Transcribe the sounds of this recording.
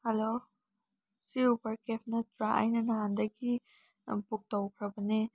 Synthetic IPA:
hɐlo | siupɐɾkep̚nɐtɾaʔa̰jnɐnaandɐɡi | puk̚tɐwkʰɾɐbɐne

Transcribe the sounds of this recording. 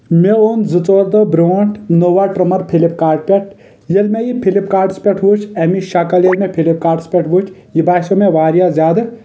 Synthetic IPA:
meonzɨt͡soːɾd̪ɐbɾoːɳʈʰnoʋaʈɾɐmɐɾpʰilipkaːɾʈ̚pʲeʈ̚ʰ | jɐlmejipʰilipkaːɾʈspʲeʈʰʋut͡ʃʰemiʃakɐljelmepʰilip̚kaːɾʈspʲeʈʰʋut͡ʃʰjibaːsomẽʋaːɾijazʲjaːd̪ɨ

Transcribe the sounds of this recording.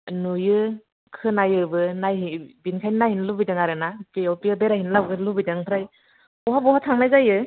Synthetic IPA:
nujɯ | kʰɯnajɯbɯnajibinkʰajnnajhinlubidɯŋaɾɯnakeɔwpijɔdeɾahinlabɡɯlubijdɯŋpʰɯɾaj | bɔɦabɔɦatʰaŋnajzajɯ

